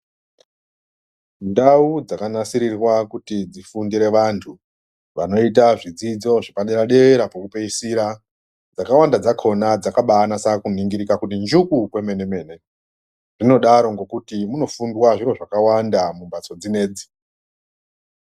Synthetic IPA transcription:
ndaud͡zakanasiɾirwakutid͡zifundiɾe̞ʋantʰu | ʋano̞itaʐid͡zid͡zo̞ʐipaɗeɾaɗe̞ʋeɾapokupeisiɾa | d͡zakawandad͡zakʰo̞nad͡zakaɓaːnasakuniŋɡiɾikakutind͡ʒukukwe̞me̞ne̞me̞ːne̞ | ʐino̞ɗaɾo̞ŋɡo̞kutimuno̞fundwaʐiɾo̞ʐakawandamumbat͡so̞d͡zine̞ːd͡zi̥

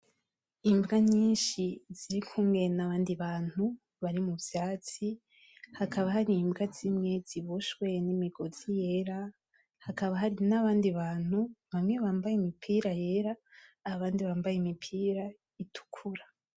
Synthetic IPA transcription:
imbɡaɲiːnʃiziɾikʰuːmŋɡe̞naβaːndiβaːn̥hu | βaɾimubjaːt͡si | hakaβahaɾimbɡazimŋe̞z̥iβuʃwe̞nimiɡozije̞ɾa | hakaβaɦaɾinaβaːndiβaːn̥huβamŋe̞βaːmbajimipʰiːɾaje̞ːɾaːβaːndiβaːmbajimipʰiːɾa | itʰu̥kʰuɾa

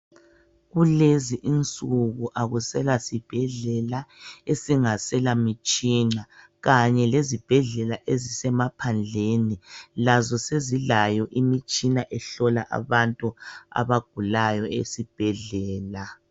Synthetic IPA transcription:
ɣuleziʔint͡sʼuɣuʔaɣusɛlasib̥ʱɛɮɛlaesiŋasɛlamit͡ʃʼina | ɣaɲɛlezib̥ʱɛɮɛlaʔezisɛmapʰand͡ɮʱenilazɔsezilajɔʔimit͡ʃʼinaʔɛɬɔlaʔa̰βantʼua̰βaɡ̥̚ʱulajɔḛsib̥ʱɛɮɛːla

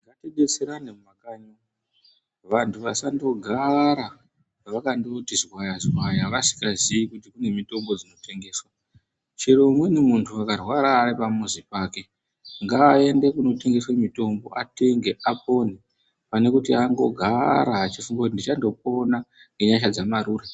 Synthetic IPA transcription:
ŋɡatiɗet͡seɾanemmakaɲo | ʋantʰuʋasando̞ɡʱaɾa | ʋakandotizwajazwajaʋasi̥kaziikutikune̞mito̞mbo̞d͡zino̞te̞ŋɡe̞ːswa | t͡ʃiɾo̞mwe̞nemuntʰuakarwaɾaːripamuzipaːke̞ | ŋɡaːe̞nde̞kuno̞te̞ŋɡe̞swamito̞mbo̞ʔate̞ŋɡe̞ʔapo̞ni | pane̞kutiaŋɡo̞ɡʱaɾaːt͡ʃifuŋɡakut̬indit͡ʃando̞p̚o̞na | ŋɡe̞ɲaʃ̬ad͡zamaɾuːre

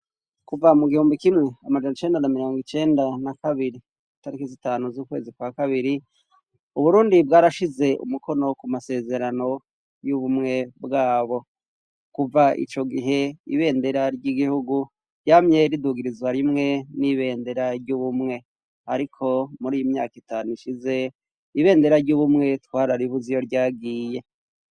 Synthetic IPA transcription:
kuvamuɡihuːmbikimŋe̞amad͡ʒanot͡ʃe̞ːndanamiɾo̞ːŋɡit͡ʃe̞ːndanakaβiɾi | itaɾikizitaːnuzuːkwe̞̰ːzikwakaβiɾi | uβuɾuːndibɡaːɾaʃize̞ʔṵmuko̞no̞kumase̞ːze̞ɾano̞ | juβumŋe̞bɡaːβo̞ | kuvaʔḭt͡ʃo̞ɡiɦe̞ḭβe̞ːnde̞ɾaɾɟiɡihuɡu | ɾjaːmɲe̞ɾiduɡiɾizwaɾimŋe̞niβe̞ːnde̞ɾaɾɟuβumŋe̞ | aɾikʰo̞muɾiːjimɲa̰ːkitaːnuiʃize̞ | iβe̞ːnde̞ɾaɾɟuβumŋe̞twaːɾaɾiβuzijo̞ɾɟaːɡiːje̞

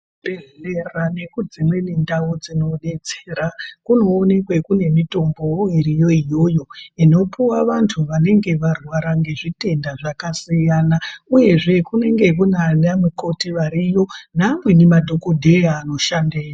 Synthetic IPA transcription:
beerane̞kud͡zimwe̞nindaud͡zino̞ɗe̞t͡seːɾakuno̞ːne̞kwe̞kune̞mito̞mbo̞iɾijo̞ijo̞ːjo̞ino̞puwaʋantʰuʋane̞ŋɡe̞ʋarwaɾaŋɡe̞ʐite̞ndaʐakasijanauje̞ʐe̞kune̞ŋɡe̞kunalamweko̞tiʋaɾijo̞namwinimadʱokodʱe̞jaːno̞ʃandeːja

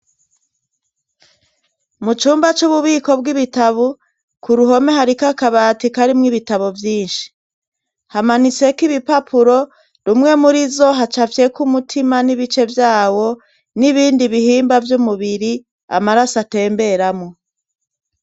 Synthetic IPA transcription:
mut͡ʃuːmbat͡ʃuβuβiːko̞bɡiβitaβu | kuɾuɦo̞meɦaɾikakaβatikaɾimŋiβitaβovjiːnʃi̥ | hamanit͡se̞kiβipapʰuɾo̞ | ɾumŋe̞muɾizo̞ɦat͡ʃafje̞kumutʰimaniβit͡ʃe̞vjaːwo̞ | niβiːndiβihiːmbavjumuβiɾi | a̰maɾasate̞ːmbe̞ɾamŋo

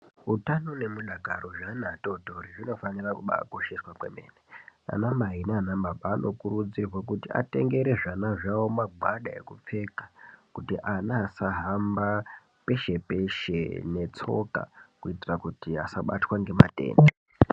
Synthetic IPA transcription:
utano̞ne̞muɗaɡʱaroʐanatotoɾiʐino̞fanirakuɓa̰koʃeswakwe̞̰me̞̰ːnea̰namaɦinaanambabaːno̞kuɾud͡zirwak̬utia̰te̞̰ŋɡe̞ɾe̞ʐanaʐawomaɡʱwaɗaḛkup͡fe̞kḁkutiʔanaːsaɦamba | pe̞ʃe̞pe̞ʃe̞̰ne̞t͡so̞̰ka̰kuitirakutiasaɓa̰twaŋɡe̞ma̰te̞̰ːnde

